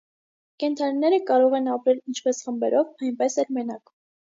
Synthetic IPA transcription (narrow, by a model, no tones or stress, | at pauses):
kɛnt̪ʰɑninɛɾəkɑɾɔʁɛnɑpɾɛlint͡ʃʰpɛsχəmbɛɾʔɔvɑjnpɛsɛlmɛnɑk